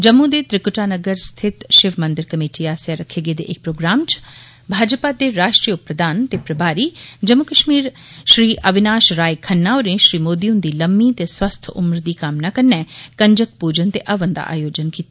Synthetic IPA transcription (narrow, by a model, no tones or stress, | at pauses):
d͡ʒɐmːũd̪et̪ɾɪkʊʈaːnəɡəɾst̪ʰɪt̪ʃɪʋmə̃nd̪ɪɾkəmeːʈiaːsjaɾəkʰːeːɡed̪eʔek̚pɾoːɡɾaːmt͡ʃ | bʱaːd͡ʒpad̪eɾaːʃʈɾijʊpɾəd̪aːnt̪epɾɐbaːɾiːd͡ʒəmukəʃmiːɾ | ʃɾiːʔɐʋɪnaːʃɾaːjkʰɐnːaːoɾẽʃɾiːmoːd̪iund̪iːləmːit̪eswɐst̪ʰʊ̰mɾd̪iːkaːmnakɐɾnɛːkɐɲd͡ʒək̚puːd͡ʒənt̪eʔɐʋənd̪a̰ʔa̰ːjoːd͡ʒənkiːt̪a